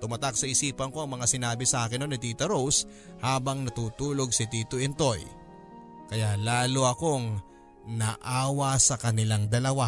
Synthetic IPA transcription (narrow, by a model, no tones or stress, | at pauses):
t̪ʊmɐt̪ak̚sɐʔɪsiːpɐŋko̞ɐŋmɐŋasɪnaːbɪsɐʔaːkɪnonɪt̪iːt̪ɐɾows | haːbɐŋnɐt̪uːt̪uːlo̞ɡ̚sɪt̪iːt̪oʔɛnt̪o̞j | kɐjalaːloʔɐko̞ŋ | nɐʔaːwɐsɐkɐnɪlaŋd̪ɐlɐwa